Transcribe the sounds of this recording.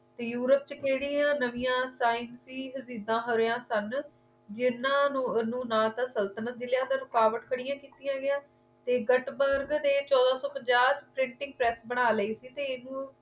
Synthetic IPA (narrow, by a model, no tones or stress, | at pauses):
t̪eːjuːɾəp̚t͡ʃəkʰeːɽiːjãːnəʋɪjãːsaːɪnsiːɦəziːd̪ãːɦəɾeːãːsən | d͡ʒɪnãːnũːnũːnaːt̪ãːsəlt̪ənət̪̚d͡ʒɪlɪjãːd̪aːɾʊkaːʋəʈkʰəɽijãːkiːt̪ijãːɡɪjãː | t̪eːɡəʈbəɾɡd̪eːt͡ʃɔːd̪ãːsɔːpəd͡ʒaːɾt͡ʃpɾɪ̃ɳʈɪ̃ŋɡ̚pɾɛːsbəɽ̃aːləiːsiːt̪eːɪnũː